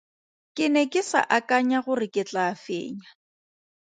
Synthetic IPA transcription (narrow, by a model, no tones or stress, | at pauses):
kʼɪnɛkʼɪsa̰ʔakʼaɲaɣʊrɪkʼɪt͡ɬʼaːfḛːɲa